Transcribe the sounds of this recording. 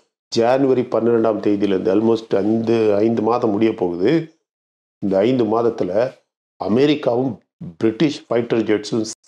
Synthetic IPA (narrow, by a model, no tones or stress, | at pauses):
d͡ʒaːnɯʋɐɾipɐnːɯɾɛɳɖaːmt̪eːðijɪlɐɾɯnd̪ɯɐlmoːsʈɐɪnd̪ɯɐɪnd̪ɯmaːðɐ̃mːʊɽɪjɐpːoːɣɯðɯ | ɪnd̪ɐːɪnd̪ɯmaːðɐt̪ːɪlɐ | ɐ̰mɛːɾɪkːaːʋɯm | bɪɾɪʈːɪʂfɐɪʈːɐɾd͡ʒɛʈsɯm